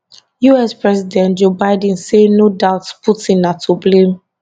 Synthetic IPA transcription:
juɛspɹɛzidɛ̃ntd͡ʒobaɪdə̃n̩senodaʊtputĩnatʰublẽm

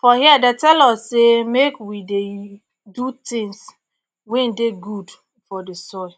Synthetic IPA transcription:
fɔhiadetɛlɔssemekwide | dut̪ĩŋs | wẽn̩deɡud | fɔdesɔ

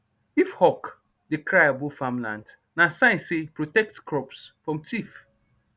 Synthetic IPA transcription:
ifhɔk | dekɾajabufãmlã̰nd | nasãɪ̃nsepɹotɛk̚tkɹɔpsfɹɔ̃mtif

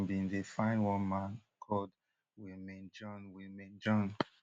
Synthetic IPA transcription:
bĩndefãɪ̃nwɔ̃nmãnkʰɔld | wimẽnd͡ʒɔ̃nwimẽnd͡ʒɔ̃n

